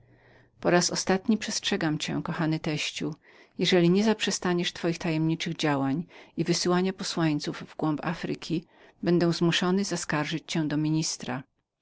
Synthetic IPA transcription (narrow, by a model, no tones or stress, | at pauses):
pɔɾasɔ̰st̪at̪ɲipʂɛstʂɛɡamt͡ɕɛ̰kɔxanɘt̪ɛɕt͡ɕu | jɛʐɛlʲiɲɛzapʂɛst̪aɲɛʂt̪fɔjixt̪ajɛmɲit͡ʂɘɣd͡ʑawaɲivɘsɘwaɲapɔswaɲt̪suvvɡwɔmpa̰fɾɘ̰kʲʰi | bɛnd̪ɛw̃zmuʂɔnɘzaskaɾʐɘt͡ɕt͡ɕɛ̃d̪ɔmʲiɲist̪ɾa